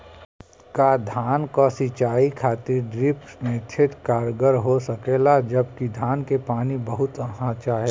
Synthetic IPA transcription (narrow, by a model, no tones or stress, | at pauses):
kad̪ʱaːnkasɪt͡ʃaːikʰaːt̪ɪɾɖɾɪpsmẽt̪ʰɪʈkaːɾɡəɾɦosɐkeːlad͡ʒɐb̚kid̪ʱaːnkepaːnibɐɦʊt̪ɐɦãt͡ʃaɦɛ